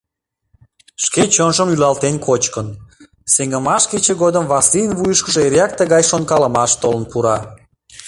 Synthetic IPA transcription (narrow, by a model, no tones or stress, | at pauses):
ʃket͡ɕonʒəmylɑlt̪enʲkʰot͡ɕkən | seŋɡəmɑʃket͡ɕeɣod̪əmβɑsijənβujəʃkə̆ʒeeɾɑk̚t̪əɣɑjʃonkɑlə̆mɑʃt̪olə̆npuɾɑ